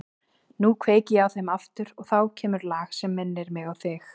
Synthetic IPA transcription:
nukʰveːjcɪjawθejmaft̪ʏɾɔɣθawcʰɛːmʏɾlaːxsɛmːɛnːɪɾmɪɣawθɪx

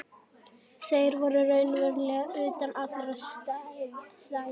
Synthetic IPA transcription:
θeːjɾvɔɾʏrœːɥnvɛɾlɛɣaʏːt̪anat̪ʰaɾast̪asa

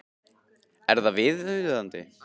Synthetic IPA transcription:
ɛɾðavɪðʏɥððant̪ɪ

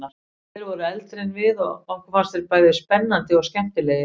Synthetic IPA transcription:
a | ɛɾvɔɾʏɛlt̪ɾejnvɪðɔɣɔhkvaɾ̥sɛɾpaːjðɪspɛnːant̪ɪɔɣscɛm̥t̪ɪlɛːjɪ

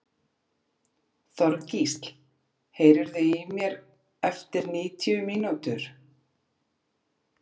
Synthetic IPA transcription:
θɔɾcist̪l | heːjɾɪɾðʏimjɛɾ | ɛft̪ɪɾniːt̪ʰjʏmiːnut̪ʏɾ̥

